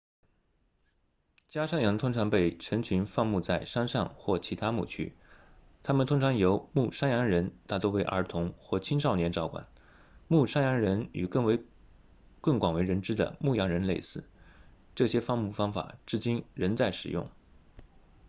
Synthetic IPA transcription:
t͡ɕja˥ʂa˥njɑ˧˥ŋt̪ʰʊ˥ŋʈ͡ʂʰɑ˧˥ŋpe˥˩ɪʈ͡ʂʰə˧˥ŋt͡ɕʰy˧˥nfɑ˥˧ŋmu˥˧t͡sa˥˩ɪʂa˥nʂɑ˥˧ŋxwɔ˥˩t͡ɕʰi˧˥t̪ʰa˥mṵ˥˩t͡ɕʰy̰˥ | t̪ʰa˥mə˨nt̪ʰʊ˥ŋʈ͡ʂʰɑ˧˥ŋjo˧˥ʊmu˥˩ʂa˥njɑ˧˥ŋɻə˧˥nt̪a˥˩t̪wɔ˥ʊwe˧˥ɪʔə̰˞˧˥t̪ʰʊ˧˥ŋxwɔ˥˩t͡ɕʰi˥ŋʂɑ˥˩ʊnjɛ˧˥nʈ͡ʂɑ˧˥ʊkwa̰˨˩˦n | mu˥˩ʂa˥njɑ˧˥ŋɻə˧˥ny̰˨˩kɤ˥˩ŋwe˧˥ɪ | kə˥˩ŋkwa˨˩we˧˥ɪɻə˧˥nʈ͡ʂɻ̩˥d̪ə̰˨mu˥˩jɑ˧˥ŋɻə˧˥nle˥˧ɪsɹ̩˥˩ | ʈ͡ʂɤ˥˩ɕjɛ˥fɑ˥˧ŋmu˥˩fɑ˥ŋfa̰˨˩ʈ͡ʂɻ̩˥˩t͡ɕi˥nɻə˧˥nt͡sa˥˩ɪʂɻ̩˨˩jʊ̰˥˩ŋ

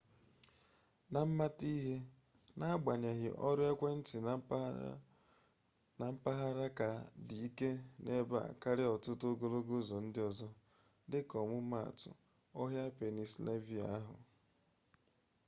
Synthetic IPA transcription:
na˨m̩˦ma˦ti˦ɦe˦ | na˦a˦ɡ͡ba˨ɲe˨ɣɪ̰˨ʔɔ˦ɾja˦kʷe˦n̩˦tɪ˨ | na˨m̩˦pa˦ɦa˦ɾa˦ka˨di˨i˦ke˦ne˦ba̰˦a̰˨ka˦ɾɪ˦ɔ˨tʊ˦to˦ɡo˦lo˦ɡo˦zɔ˨n̩˦dɪ˦ɔ˨zɔ˦ | dɪ˦kɔ˨mʊ˦ma˦a̰˨tʊ̰˨ | ɔ˦ɦja˦pe˨ni˨sle˦vi˦a̰˨˦a˦ɦʊ̰˨

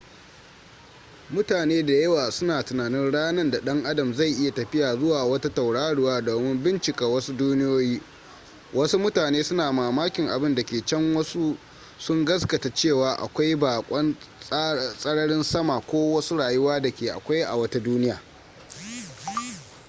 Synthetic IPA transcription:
mʊ˦taː˨neː˦da˨jɐ˦waː˨sʊ˦naː˨tʊ˨naː˨nɪ˦nɽaː˦nɐ˦nda˨ɗɐ˦ŋʔa˦dɐ˨mzɐ˦˨jʔɪ˦ja˨tɐ˨ɸɪ˦jaː˨zʊ˦waː˨wɐ˦ta˦ta˨wɽaː˦ɽʊ˦waː˦doː˨mɪ˦mbɪ˦nt͡ʃɪ˨ka˨wɐ˦su˦duː˦nɪ˦joː˦jiː˦ | wʔɐ˦su˦mʊ˦taː˨neː˦sʊ˦naː˨maː˨maː˦kʲɪ˨ŋʔa̰˨bɪ˦nda˨kʲeː˨t͡ʃɐ˦ŋwɐ˦su˦ | sʊ˦ŋɡɐ˦skɐ˨ta˨t͡ʃeː˦˨waː˨ʔa̰˨kʷa˦jbaː˨kʷʼɐ˦n˦ | sʼɐ˦ɽɐ˦ɽɪ˦nsɐ˦ma˨kʷoː˦wɐ˦su˦ɽaː˨jʊ˦waː˦da˨kʲeː˨ʔa̰˨kʷa˦jʔa̰˨wɐ˦ta˦duː˦nɪ˦jaː˨

